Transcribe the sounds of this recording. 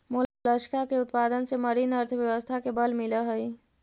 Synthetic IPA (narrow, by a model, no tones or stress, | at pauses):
moːlləʃkakeʊt̪paːd̪ənsemɐɾinəɾt̪ʰəʋjɐʋəst̪ʰakebɐlmɪlaɦɐi